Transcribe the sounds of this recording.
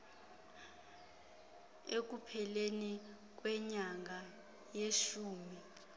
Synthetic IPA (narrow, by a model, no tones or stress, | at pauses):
ek̬upʰɛleni | k̬wɛɲaŋa | jeʃuːmi